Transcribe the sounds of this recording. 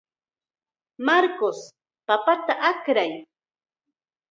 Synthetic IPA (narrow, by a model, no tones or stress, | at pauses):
maɾkos | papat̪aʔakɾaj